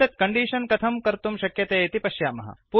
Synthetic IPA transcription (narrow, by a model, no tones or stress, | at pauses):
ɐt̪̚kɐɳɖiːʃɐnkɐt̪ʰɐmkɐɾt̪umʃɐkjɐt̪eːet̪ipɐʃjaːmɐ̰ɦɐ̰pu